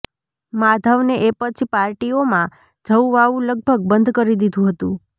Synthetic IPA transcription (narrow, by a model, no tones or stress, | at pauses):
mad̪ʱəʋneʔepət͡ʃʰipaɾʈiomã | d͡ʒʱəwʋaʋũləɡ̚bʱəɡ̚bənd̪ʱkəɾid̪id̪ʱũɦət̪ũ